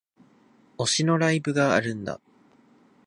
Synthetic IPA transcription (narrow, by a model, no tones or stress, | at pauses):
o̞ɕino̞ɾaibɯ̟ɡa̰ːɾɯ̟̃nd̪a̰